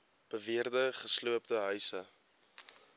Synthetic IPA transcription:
b̥əviərdəχəsluəp̚təɦœɥsə

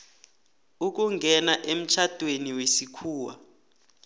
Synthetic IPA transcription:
uk̬uŋɡʱɛnaʔem̩t͡ʃʰad̥ʼʱweniwesikʰuːwa̰

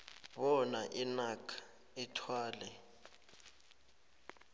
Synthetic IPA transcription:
βɔnaʔinakʰḁ | itʰwaːlɛ

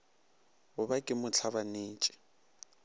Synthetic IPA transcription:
ʊbakʼɪmʊt͡ɬʰaβaneːt͡ʃʼɪ̥

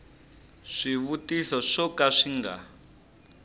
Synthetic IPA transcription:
ʂiβutiɬɔʂɔkaʂiŋɡa̰

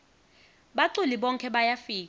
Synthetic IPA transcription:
ɓaǀuliɓɔŋkʰɛɓajafiːka

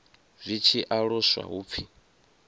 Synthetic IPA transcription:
zʷit͡ʃʰiʔaɺɔswa̰ɦuːp̪fʰi

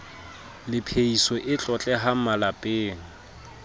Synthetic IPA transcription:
lɪpʰeisɔʔɪt͡ɬʼɔt͡ɬʼɛɦam̩malapʼeːŋ̩

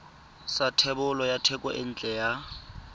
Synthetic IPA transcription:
satʰɛbʊlɔjatʰɛkʼwaʔɪn̩ːt͡ɬʼɛja

